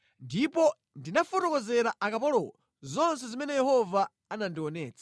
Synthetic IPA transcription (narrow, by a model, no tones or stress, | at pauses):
ndipɔ | ndinafɔtɔkɔzɛɾaʔakapɔlɔ̰ɔ | zɔnsɛzimɛnɛjɛhɔvaː | nandiwɔnɛːt͡sʰḁ